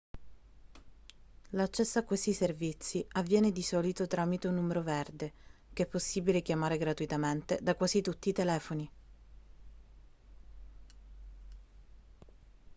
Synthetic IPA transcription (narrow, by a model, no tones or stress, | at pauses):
lat͡ʃːɛsːaakːwest̪iservit̪sːiavːjɛːned̪isɔːlit̪ot̪ɾaːmit̪onumeɾoverd̪ekeɛpːosːiːbilekjamaːɾeɡɾat̪uit̪ament̪ed̪akwaːzit̪ut̪ːiːt̪elɛːfoni